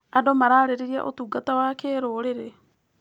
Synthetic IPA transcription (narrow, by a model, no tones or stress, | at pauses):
adomaɾaːɾeɾeɾia̰ʔotuːɡatawaːkeːɾoːɾeɾe